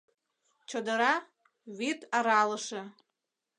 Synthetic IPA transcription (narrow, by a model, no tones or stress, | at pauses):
t͡ʃʰadaɾa | witʼaɾalaʂa